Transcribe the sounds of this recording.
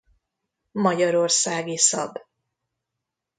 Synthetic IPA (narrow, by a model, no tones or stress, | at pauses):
mɒɟɒɾorsaːɡisɒ̰b